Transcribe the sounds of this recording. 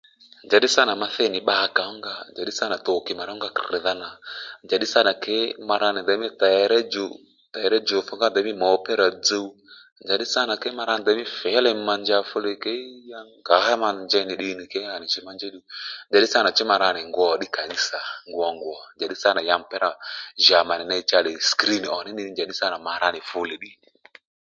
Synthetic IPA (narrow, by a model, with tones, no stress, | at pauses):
nd͡ʒa˨ɗi˦sa˦na˨ma˧θɛ˦˨nɪ˨ɓaː˦˧ka˨˦ŋɡa˦˧nd͡ʒa˨ɗi˦sa˦na˨to˨ki˨ma˨ɾa˦ŋ˦ɡa˧kɪ˨ða˧na˨nd͡ʒa˨ɗi˦sa˦na˨kɛ˦ma˧ɾa˧nɪ˨da˨˦mi˦ta˨jɛ˧˦ɾɛ˦d͡ʒo˨ | ta˨ɛ˧ɾɛ˦d͡ʒo˨fu˦ŋɡa˦nda˨˦mi˦mɔ˨˧˦pɛ˦ɾa˨d͡zə˧u˦ | nd͡ʒa˨ɗi˦sa˦na˨kɛ˦ma˧ɾa˧n˨da˨˦mi˦fɛ˨˦lɛ˧m̩˦ma˧nd͡ʒa˧fʊ˦le˨˧ke˦ja˦ŋɡa˨˦ɦa˦ma˧n˨d͡ʒɛ˧˦ni˨ɗi˧˦ni˨kɛ˦a˨nɪ˨t͡ʃɪ˦ma˧nd͡ʒɛ˦ɗi˦nd͡ʒa˨ɗi˦sa˦na˨t͡ʃɪ˦ma˧ɾa˧nɪ˨ŋɡʷɔ˨ɗɪ˦ka˨ni˦sa˨ŋɡwɔ˧ŋɡwɔ˨nd͡ʒa˨ɗi˦sa˦na˨ja˧ŋ˨pɛ˦ɾa˨ʒa˨ma˨nɪ˨na˧˦t͡ʃa˧le˨skɾi˦n˨ɔ˨ni˦ni˦nd͡ʒa˨ɗi˦sa˦na˨ma˨ɾa˧nɪ˨fʊ˦le˨ɗi˦ni˨